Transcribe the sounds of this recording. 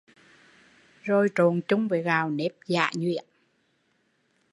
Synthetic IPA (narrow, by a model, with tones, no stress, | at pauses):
zo˨˧˩jt͡ɕo˨˩nt͡ɕʊ˧ŋ͡mveː˨˩ɣaː˨˩wne˦˥p̚za̰ː˧˨ɲwḭ˧˨ən